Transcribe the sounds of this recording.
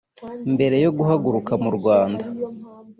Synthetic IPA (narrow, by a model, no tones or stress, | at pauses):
mbe̞ɾe̞jo̞ɡuɦaɡuɾukamuɾɡwaːnda